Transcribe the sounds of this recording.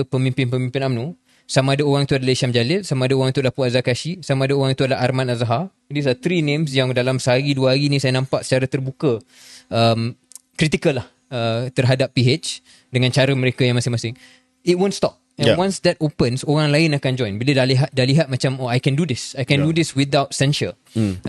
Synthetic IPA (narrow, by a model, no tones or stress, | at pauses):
pəmĩmpɪnpəmĩmpɪnamnu | samãːdaoɾaŋit̪uadalaiʃamd͡ʒalɪlsamãːdaoɾaŋit̪uadlahpuazakaʃisamãːdaoɾaŋit̪uadəla̰harmãnazaɦa | dis̬at̪ɾinẽmsjaŋdalamsəɦaɾiduəɦaɾinĩsajanãmpaʔsə̥t͡ʃaɾat̪ərbukə | əm | kɾit̪ikəlah | ət̪ərɦadapːiet͡ʃ | dəŋãnt͡ʃaɾəməɾekajãŋmasɪŋmasɪŋ | it̚wõnstɔp̚ɛ̃jwãnsd̪ɛt̚opənsoɾaŋlaɪnakand͡ʒɔjnbilədaʔliɦat̪̚daʔliɦat̪̚mat͡ʃamoajkɛ̃ndudɪsajkɛ̃ndudɪswid̪awt̚sɛnʃə̰